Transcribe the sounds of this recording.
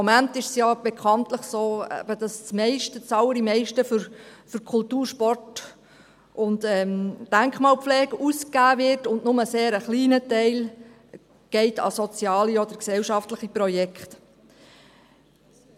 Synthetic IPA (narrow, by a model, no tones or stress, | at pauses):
mɔmæntɪʃsjɑːb̥ekʰχɑntləχsoːɛ̰b̥əd̥ɑst͡smɛɪʃtət͡sɑləɾimɛɪʃtəfʏɾfʏɾkʰʊltuːɾʃpɔrt | ʔʊntɛmd̥æŋkχmɑːlpflɛːɡəuskæːvɪrtʊndnʊməseːɾəχliːnətɛɪl | ɡ̥ɛɪtɑ̰sɔt͡sjɑːliɔd̪əɾksɛlʃɑftləχipɾɔjɛkχt